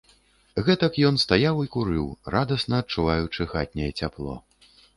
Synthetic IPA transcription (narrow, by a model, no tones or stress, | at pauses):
ɣɛt̪ɐkjɔn̪st̪ajawikuɾɨwrad̪ɐsnɐːt̪̚t͡ʂːuvajut͡ʂɨxat̪̚ʲnʲɛjɛt͡sʲaplˠɔ̰